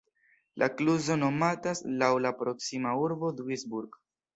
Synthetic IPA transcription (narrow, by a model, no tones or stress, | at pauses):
lʔakluzo̞no̞mataslawlapɾo̞ksimauɾbo̞dwisbuɾɡ